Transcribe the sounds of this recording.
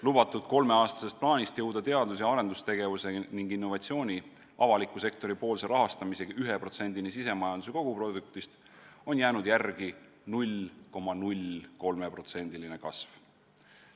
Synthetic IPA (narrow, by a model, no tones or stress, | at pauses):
lub̥ɑt̪ːˑud̪̥ko̞lme̞ɑːst̪ɑ̥sest̪plɑːnʲist̪jɤwd̪̥ɑt̪e̞ɑd̪lus̬jɑɑɾe̞nd̪ust̪e̞ɡ̥e̞vuse̞niŋɡinːo̞vɑt̪sio̞ːnʲi | ʔɑvɑlikːˑuse̞k̚t̪o̞ɾipo̞ːlse̞ɾʔɑɦɑst̪ɑmise̞ɡyɦepro̞t̪se̞nʲd̪̥inisise̞mɑjɑnd̪use̞ko̞ɡ̥upro̞d̪uk̚t̪ist̪ | o̞njæːnud̪jærɡ̥i | nulʲko̞mːɑnulʲko̞lme̞pro̞t̪se̞nʲd̪̥iline̞kɑsv̥